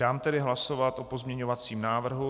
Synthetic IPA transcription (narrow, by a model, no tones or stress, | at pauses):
aːmt̪ɛdɪɦlasovat̪ʔopo̞zmɲɛɲo̞vat͡siːmnaːvr̩ɦu